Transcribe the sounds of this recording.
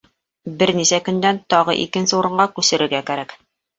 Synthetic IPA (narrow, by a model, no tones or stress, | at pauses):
bɘɾnisækɵ̆nd̪ænt̪ɒʁɤ̰ʔḭkɘ̆nsɘuɾɤ̆ɴɢɑkʉsɘ̆ɾɘ̆ɾɡækæɾæk